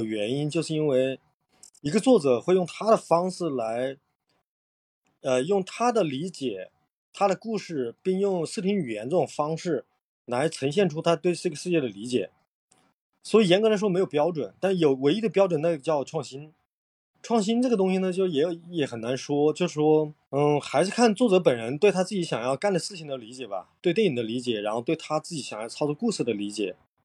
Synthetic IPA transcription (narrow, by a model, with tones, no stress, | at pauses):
ɥɛ˧˥ni˥nt͡ɕjo˥˧ʊʂɻ̩˩˧i˥nwe˥˩ɪ | i˧˥ɡə˧t͡swɔ˥˩ʈ͡ʂɤ˨˩xwe˥˧ɪjʊ˥˧ŋt̪ʰa˥d̪ə˨fɑ˥ŋʂɹ̩˥˩la˧˥ɪ | ə˧jʊ˥˩ŋt̪ʰa˥d̪ə˨li˧˥t͡ɕjɛ˨˩˦ | t̪ʰa˥d̪ə˨ku˥˧ʂɻ̩˥˩pi˥˧ŋjʊ˥˩ŋʂɹ̩˥˩t̪ʰi˧˥ŋy˨˩jɛ˧˥nt͡sə˥˩ʈ͡ʂʊ˨˩ŋfɑ˥ŋʂɻ̩˥˩ | la˧˥ɪt͡sʰɤ˧˥ŋɕ̬jɛ˥˩nʈ͡ʂʰu˥t̪ʰa˥t̪we˥˧ɪʂ̩˥˩ɡə˩ʂɻ̩˥˧t͡ɕjɛ˥˩d̪ə˩li˧˥t͡ɕjɛ̰˨˩˦ | swɔ˧˥i˨˩jɛ˧˥nkʰɤ˧˥la˧˥ɪʂwɔ˥m˧˥ɪo˨˩pjɑ˥ʊʈ͡ʂwə̰˨˩˦nt̪a˥˩nʂɻ̩˥˩jo˨˩ʊwe˧˥ɪi˥d̪ə˧pjɑ˥ʊʈ͡ʂwə˨˩na˥˩ɡə˩t͡ɕjɑ˥˧ʊʈ͡ʂʰwɑ˥˩ŋɕi˥n | ʈ͡ʂʰwɑ˥˩ŋɕ̬i˥nʈ͡ʂɤ˥˩ɡə˩t̪ʊ˥ŋɕi˨nə˩t͡ɕjo˥˩jɛ˨˧˩jjɛ˧˥xə˨˩na˧˥nʂwɔ˥t͡ɕjo˥˧ʊʂɻ̩˥˩ʂwɔ˥ | n̩˥˩xa˧˥ɪʂɻ̩˥˩kʰa˥˩˧nt͡swɔ˥˩ʈ͡ʂɤ˧˥p̬ə˨˩nɻə˧˥nt̪we˥˩ɪt̪ʰa˥t͡sɹ̩˥˩t͡ɕi˧˥ɕjɑ˨˩ŋjɑ˥˩ʊka˥˩nʈ͡ʂə˩sɹ̩˥˩ɕi˨˩ŋd̪ə˧˦li˧˥t͡ɕjɛ˨˩bɐ̰˩t̪wɪt̪jɛ˥˩ni˨˩d̪ə˦li˧˥t͡ɕjɛ˨˩ɻa˧˥nxo˥˧t̪wɪt̪ʰa˥t͡sɹ̩˥˩t͡ɕi˧˥ɕjɑ˨˩ŋjɑ˥˧ʊt͡sʰɑ˥ʊt͡sɔ˥˧ku˥˧ʂɹ̩˥˩d̪ə˩li˧˥t͡ɕjɛ̰˨˩˦